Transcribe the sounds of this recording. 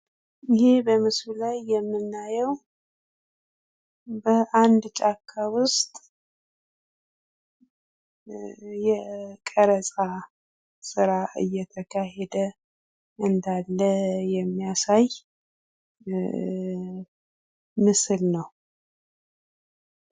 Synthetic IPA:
jɪhebəmɨsllajːɛmːɨnːajɛw | bəʔand̪t͡ʃʼakʰːawʊst̪ʼ | jɛkʼəɾəsʼa | sɨɾaʔɨjːɛt̪ʰəkʰaɦɛd̪ə | ʔɨnd̪alːəjɛmːijasaj | mɨsɨlnəw

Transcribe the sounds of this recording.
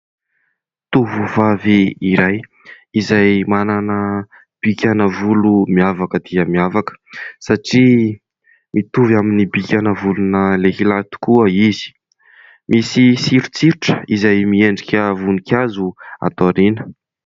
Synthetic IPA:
t̪uvuvaviiɾaj | izajmananə | b̥ikʲanəvulumiavakəd̪̥iəmiavakə̥saʈ͡ʂi | mʔit̪uvaminibikʲanəvulunəleɦilat̪u̥kuəizi̥ | misisiɾut͡siɾuʈ͡ʂə̥izajmieɳɖ͡ʐikʲəvunikʲazua̰t̪oɾinə̥

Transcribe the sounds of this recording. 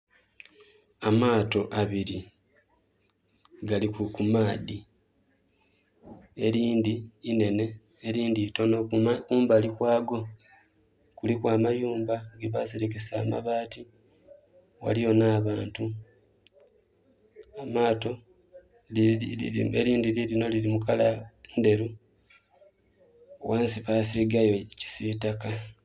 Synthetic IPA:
amaːto̞ʔaβiɾi | ɡalikukumaːði | eɾiːndiːne̞ne̞ː | ɾiːndito̞nokuːmbalikwaːɡo̞ | kulikwaːmajuːmbaɡeβaseɾekesa̰ːma̰βaːti | wa̰lijo̞naːβaːntu | amaːto̞ | eɾiːndililino̞lilimukalande̞ɾu | waːnsiβaːsiɡajo̞ci̥sitaka

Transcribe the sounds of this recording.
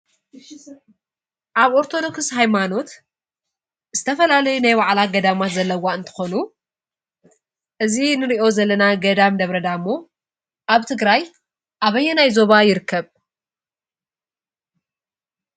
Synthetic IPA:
ʔaβo̞ɾt̪ʰo̞d̪o̞kshajmano̞t̪ | z̥ɨt̪ʰɐfɐlalɐjunajwaʕlaɡɐd̪amat̪zɐlːɐwːaɨnt̪ʰɨ̥xo̞nu | ʔɨzinɨɾiʔo̞zɐlːɐnaɡɐd̪amd̪ɐβɾɐd̪amːo̞ | ʔaβt̪ʰɨɡɾaj | ʔaβɐjːɛnajzo̞βajɪɾɨkʰːɐβ

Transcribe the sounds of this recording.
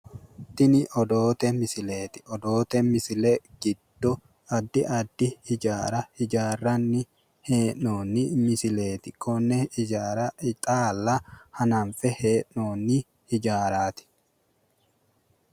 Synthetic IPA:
t̪ːɪnɪʔɔd̪oːt̪ɛmɪsɪleːt̪ɪ̥ɔd̪oːt̪ɛmɪsɪlɛɡ̥ɪd̪ːɔ | ɐd̪ːɪʔɐd̪ːɪhɪd͡ʒaːɾɐhɪd͡ʒaːrːɐnːɪ | he̞ːʔnoːnːɪmɪsɪle̞ːt̪ɪkʰɔnːɛɪd͡ʒaːɾɐɪt̪ʼaːlːɐhɐnɐnfɛheːʔnoːnːɪ | hɪd͡ʒaːɾaːt̪ɪ̥

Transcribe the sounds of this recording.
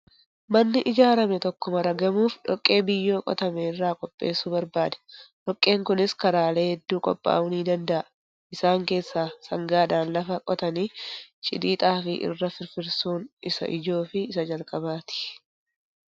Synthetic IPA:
mɐnːɪʔɪd͡ʒaːɾɐmɛt̪ɔkːɔmɐɾɐɡɐmuːfᶑɔkʼːe̞ːbɪjːo̞ːkʼɔ̰t̪ɐmerːaːkʼɔpʼːe̞̰ːsuːbɐɾbaːd̪ɐ̥ᶑɔkʼːe̞ːŋkʊnɪskɐɾaːle̞ːhɛd̪ːuːkʼɔ̰pʼːa̰ːʊniːd̪ɐnd̪ɐʔɐ | ɪsaːŋke̞ːsːaːsɐŋɡaːᶑ̪aːnlɐfɐkʼɔt̪ɐniːt͡ʃʼɪ̰d̪iːt̪ʼaːfɪʔɪ̰rːɐfɪɾfɪɾsuːnɪsɐ̰ʔɪd͡ʒo̞ːfɪɪsɐd͡ʒɐlkʼɐbaːt̪ɪ̥

